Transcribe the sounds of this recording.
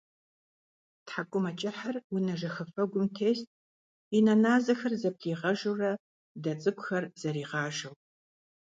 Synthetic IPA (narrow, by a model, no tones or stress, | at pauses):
tħakʷʼʊmɐt͡ʃʼɪħarwʊnɐʒɐxɐfɐɡʷʊmtʰeːstʼ | inɐnaːzɐxɐrzɐp̚ɬiːʁɐʒurɐ | dɐt͡sʼɨkʷʊxɐrz̥ɐɾiːʁɑːʒɐw